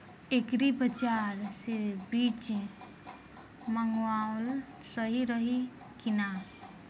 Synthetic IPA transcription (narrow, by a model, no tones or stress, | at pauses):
ekɾipət͡ʃaɾsebit͡ʃ | məŋɡwaol | səɦiɾəɦi | kina